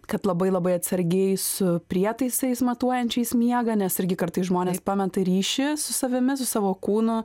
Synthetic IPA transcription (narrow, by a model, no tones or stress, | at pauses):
kɐt̪lˠɐbɐɪlˠɐbɐɪɐt̪ʲsɐɾʲɡʲɛɪsʊpʲɾʲiɛt̪ɐɪssʲɐɪsmɐt̪uɔjɛnʲt͡ʃʲɛɪsmʲiɛɡɐːnʲɛsɪɾʲɡʲɪkɐrt̪ɐɪsʒmoːnʲeːspɑːmʲɛt̪ɐɾʲiːʃʲɪsʊsɐʋʲɪmʲɪsʊsɑːʋoːkuːnʊ